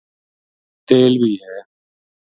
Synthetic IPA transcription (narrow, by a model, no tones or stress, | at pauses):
t̪eːlbiːɦɛː